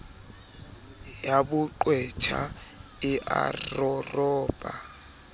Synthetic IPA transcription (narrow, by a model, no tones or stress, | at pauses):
jabʊǃwɛt͡ʃʰaɪʔa̰rrɔrɔːba